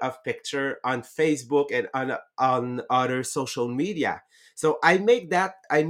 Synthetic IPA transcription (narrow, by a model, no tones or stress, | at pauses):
ʌv̥pɪk̚t͡ʃə˞ɔ̃nfeɪsbʊkɛ̃nʌ̃nʔnʌðə˞soʊʃəlˠmidia̰ | soʊʔaɪmeɪk̚ðæt̪̚aɪm